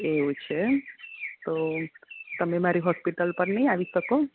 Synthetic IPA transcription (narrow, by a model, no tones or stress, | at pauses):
eɦot͡ʃʰe | t̪o | t̪əmemaɾiɦɔspiʈəlpəɾnəiaʋisəko